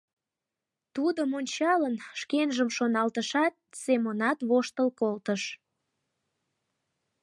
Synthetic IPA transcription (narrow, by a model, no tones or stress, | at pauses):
t̪ud̪əmonʲt͡ɕɑlənʃkenʒəmʃonɑlt̪əʃɑt̪̚semonɑt̪βoʃt̪əlkolt̪əʃ